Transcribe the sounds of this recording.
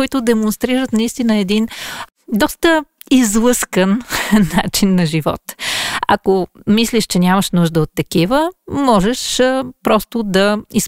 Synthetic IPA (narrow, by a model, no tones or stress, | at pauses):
it̪ʊd̪ɛmonst̪ɾiɾət̪nɐist̪inəɛd̪in | d̪ɔst̪ə | izlˠɤskənːat͡ʃinːɐʒivɔ̰t̪ɐ̰komisliʃt͡ʃɛnʲaməʃnuʒd̪əot̪ːɐkivəmɔʒɛʃpɾɔst̪ʊd̪ɐis